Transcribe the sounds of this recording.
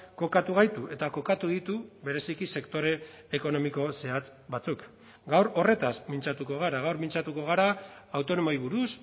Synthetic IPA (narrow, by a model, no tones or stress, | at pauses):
ko̞kat̪uɣ̞ajt̪uʔe̞t̪ako̞kat̪uðit̪uβe̞ɾe̞sikise̞kt̪o̞ɾe̞ː | ko̞no̞miko̞se̞at͡s | bat͡suk | ɡawɾo̞re̞t̪aspint͡sat̪uko̞ɣ̞aɾaɣawɾmint͡sat̪uko̞ɣ̞aɾaawt̪o̞no̞mojβ̞uɾus